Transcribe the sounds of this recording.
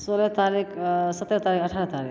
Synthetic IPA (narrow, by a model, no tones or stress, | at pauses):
solet̪aɾiːksɐt̪ːɾət̪aːɾiːkəʈʰaːɾət̪aɾḭ